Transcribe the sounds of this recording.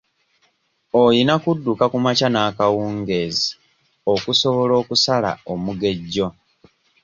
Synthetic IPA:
ojinakudːukakumacanaːkawuːŋɡe̞ːzi | o̞kuso̞βo̞lo̞ːkusala̰omuɡe̞ɟːo̞

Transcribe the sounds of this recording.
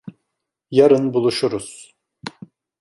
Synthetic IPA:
jaɾɯnbulˠuʃuɾuz̥

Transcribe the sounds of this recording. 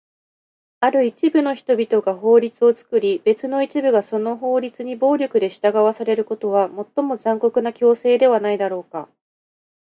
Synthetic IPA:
aɾɯ̟it͡ɕibɯ̟no̞çi̥t̪o̞bʲit̪o̞ɡaɦo̞ːɾʲit͡sɨo̞t͡sɨ̥kɯ̟ɾʲibe̞t͡sɨno̞it͡ɕibɯ̟ɡaso̞no̞ɦo̞ːɾʲit͡sɨɲ̟ibo̞ːɾʲo̞kɯ̟d̪e̞ɕi̥t̪aɡaβasaɾe̞ɾɯ̟ko̞t̪o̞β̞amo̞t̪ːo̞mo̞zãŋko̞kɯ̟nakʲo̞ːse̞ːd̪e̞βanaid̪aɾo̞ːka

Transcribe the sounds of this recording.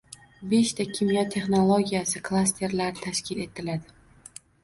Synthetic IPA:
be̞ʃt̪ʰakʲʰɪmjat̪ʰːe̞χnolˠoɡʲijasɪkʰlˠast̪ʰe̞ɾlaɾɪt̪ʰaʃkʲʰɪle̞t̪ʰɪlad̪ɪ

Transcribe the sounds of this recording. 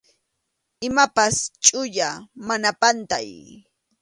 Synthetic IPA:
ɪmapast͡ʃʼʊʎamanapant̪a̰j

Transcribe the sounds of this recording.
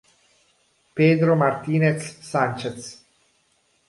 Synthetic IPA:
peːd̪ɾomart̪iːnet̪sːant͡ʃet̪s

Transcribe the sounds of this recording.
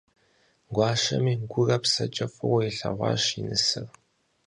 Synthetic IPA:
ɡʷɑːʃɐmiːɡʷʊrɐpsɐt͡ʃʼɐfʼɨwɐiɬɐʁʷɑ̰ːʃinɨsɨr

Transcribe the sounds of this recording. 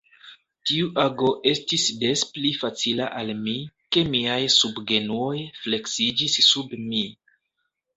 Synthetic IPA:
tiuʔaɡo̞ʔe̞stisde̞splifat͡silaʔalmike̞miajsubɡe̞nuo̞jfle̞ksid͡ʒisːubmi

